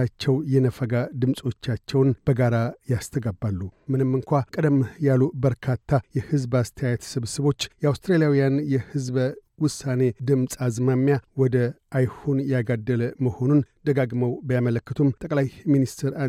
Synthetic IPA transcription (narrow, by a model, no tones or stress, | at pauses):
at͡ʃːɛwjɛnəfəɡad̪ɨmsʼo̞t͡ʃːat͡ʃːɛwnb̥əɡaɾajast̪ʰəɡabːalːumɨnɨmːɨŋkʷakʼəd̪əmjalubəɾkʰat̪ʰːajɛhɨzbast̪ʰəjajat̪sɨβsɨβo̞t͡ʃːjɛawst̪ɾelijawijanjɛhɨzbwʊsːane̞d̪ɨmsʼazmamːjawɔd̪əʔajhunjaɡad̪ːəlməho̞nund̪̥əɡaɡməwbəjamələkːət̪ʰumt̪ʼəkʼlajminist̪ʰeɾa